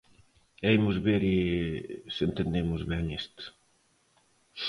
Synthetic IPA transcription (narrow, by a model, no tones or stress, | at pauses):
ɛjmʊzβeɾɪ | sent̪end̪emʊzβɛŋest̪